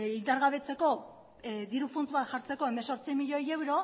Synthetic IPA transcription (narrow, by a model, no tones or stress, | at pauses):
ind̪aɾɣaβ̞e̞t͡se̞ko̞ | ðiɾufont͡sβat̪ʝaɾt͡seko̞e̞meso̞ɾt͡sijmiʎo̞je̞wɾo̞